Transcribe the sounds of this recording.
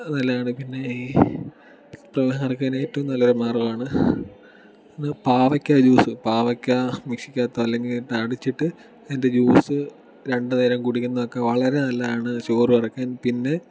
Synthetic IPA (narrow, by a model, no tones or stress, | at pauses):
nɐlːɐjaːɳɨpinːe̞iː | prɐʋeɦɐŋɐrɐkʲːaːneːjtːɐumnɐlːɐoɾemaːrɐmaːɳɨ | enːɨpaːʋɐkʲːad͡ʑuːsɨpaːʋɐkʲːamikʂi̥kʲːaːt̪ːɐʋɐlːe̞ŋɡilt̪aːɽit͡ɕːiʈːɨ | ende̞d͡ʑuːsɨ | ɾe̞ɳɖɨneːɾɐmkuːɽikʲːunːɐʋokːeʋɐɭɐɾe̞nɐlːɐjaːɳɨɕo̞ːruɐrikːaːnpinːe̞